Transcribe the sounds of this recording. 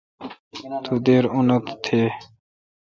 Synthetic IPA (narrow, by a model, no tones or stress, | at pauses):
t̪ʰud̪eːɾunət̪t̪ʰːeː